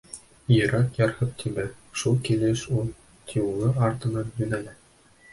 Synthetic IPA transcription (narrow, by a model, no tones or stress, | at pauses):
jɤ̆ɾɑt̪jɑɾhɤp̚t̪ʰibɘʃulˠkilɘʃulˠ | t̪ʲʰiulˠɤɑɾt̪ɤ̆nɑnjɵ̆nælæ